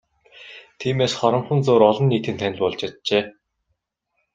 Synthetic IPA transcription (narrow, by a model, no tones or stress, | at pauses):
t̪ʰiːmeːsχɔɾɞ̆mχə̆nt͡soːɾɔɮɞ̆nːiːt̪ʰɘ̆nt̪ʰænɪ̆ɮʲpɔɮt͡ɕat̪̚t͡ɕeː